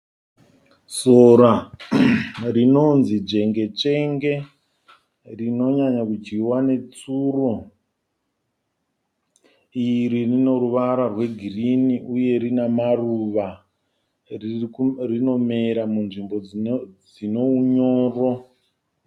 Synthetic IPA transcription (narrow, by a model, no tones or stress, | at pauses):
soɾa | rino̞nzid͡ʒe̞ŋɡe̞t͡ʂe̞ŋɡe̞ | rino̞ɲaɲakud͡ʒiwane̞t͡suro̞ | iɾirino̞ruʋaɾarwe̞ɡʱiriniʔuje̞ɾinamaruʋa | rino̞me̞ɾamunʐimbo̞d͡zino̞uɲoːro